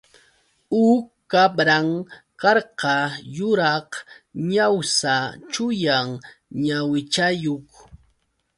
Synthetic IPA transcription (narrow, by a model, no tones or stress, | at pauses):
uːkː | abɾaŋ | kɑɾqɑjʊɾɑhɲawsat͡ʃʊjaŋɲawɪt͡ʃajok